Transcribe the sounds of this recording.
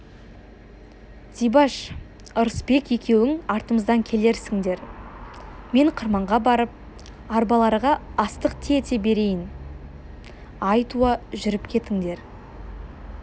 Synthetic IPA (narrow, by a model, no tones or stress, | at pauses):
d̪ijbɑʃ | ʊɾəsbe̞kʲje̞kʲe̞wɪŋɑɾt̪əməzd̪ɑŋkʲʰe̞le̞ɾsɪŋd̪e̞ɾ | me̞ɴqʰəɾmɑɴʁɑbɑɾəp̚ | ɑɾbɑlˠɑɾʁɑɑst̪əqt̪ʰet̪e̞be̞ɾe̞jɪn | ɑjt̪uɑʒʏɾɪpkʲʰe̞t̪ɪŋd̪e̞ɾ